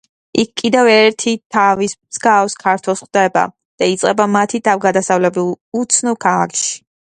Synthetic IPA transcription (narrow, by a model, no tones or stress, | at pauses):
ikʰkʼːid̪ɛvɛɾt̪ʰit̪ʰavismz̥ɡafskʰaɾt̪ʰwɛlˠsχd̪ɛba̰ | d̪̥ait̪sʼqʼɛbamat̪ʰit̪ʰavɡad̪asavlɛbulˠ | ut̪sʰnɔkʰalˠa̰kʰʼʃi̥